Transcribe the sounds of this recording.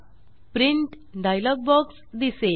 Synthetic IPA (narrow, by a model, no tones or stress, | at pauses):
pɾiɳʈ | ɖajlɔɡ̚bɔks | d̪ise